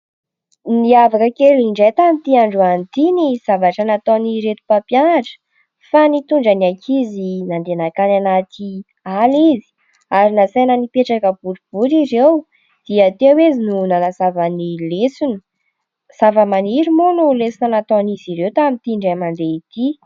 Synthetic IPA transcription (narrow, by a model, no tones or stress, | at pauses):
niavakəkeliɳɖ͡ʐejt̪amit̪iaɳɖ͡ʐuant̪iniz̥avaʈ͡ʂənat̪oniɾet̪u̥papjanaʈ͡ʂə̥ | fanit̪uɳɖ͡ʐanakʰizinand̪enakananat̪ʰi | alizi̥ | aɾinasajnənipeʈ͡ʂakəb̥uɾub̥uɾiɾew | d̪̥iət̪ewezinunanasavanilesunə̥ | savəmaniɾimonulesinanat̪oniziɾewt̪amit̪iɳɖ͡ʐemand̪eit̪i